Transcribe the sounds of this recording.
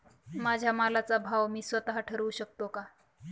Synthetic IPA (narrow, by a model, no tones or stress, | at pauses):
mad͡ʑʱjamalat͡sabʱaʋmiːsʋət̪aɦaʈʰəɾəuɕək̚t̪oka